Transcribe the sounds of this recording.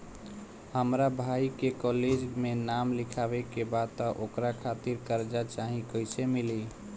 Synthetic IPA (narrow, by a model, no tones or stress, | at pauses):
həmɾabʱaikekɔled͡ʒmenamlikʰabekebad̪t̪ɔʔokɾakʰat̪iɾkəɾd͡ʒat͡ʃaɦĩkəjsemili